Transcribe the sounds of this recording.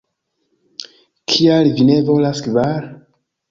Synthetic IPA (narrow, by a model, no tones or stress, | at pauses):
kʰialvinevolaskvaɾ